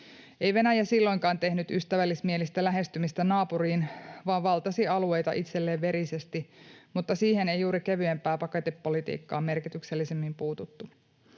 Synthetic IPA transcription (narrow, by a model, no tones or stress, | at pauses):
e̞jʋe̞næjæsilːo̞jŋkɑːnt̪e̞hnyt̪yst̪æʋælːismielist̪ælæɦe̞st̪ymist̪ænɑːpuɾiːnʋɑːʋʋɑlt̪ɑsiɑlue̞jt̪ɑʔit̪selːeːʋʋe̞ɾise̞st̪imut̪ːɑsiːhe̞ne̞juːɾike̞ʋyempæːpɑket̪epːo̞lit̪ḭːkːɑ̰ːme̞rkit̪ykselːisemːimpuːt̪ut̪ːu